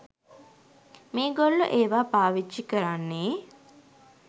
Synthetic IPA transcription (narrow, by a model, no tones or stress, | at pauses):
meːɡolːuʔeːʋaːpaːʋit͡ʃːikəɾanːeː